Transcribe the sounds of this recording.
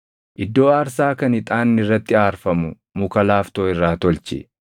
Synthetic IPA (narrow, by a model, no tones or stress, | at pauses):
ʔɪd̪ːo̞ːaːɾsaːkɐnɪt̪ʼaːnːɪrːɐt̪ːɪaːɾfɐmʊ | mʊkɐlaːft̪oːɪrːaːt̪ɔlt͡ʃɪ̰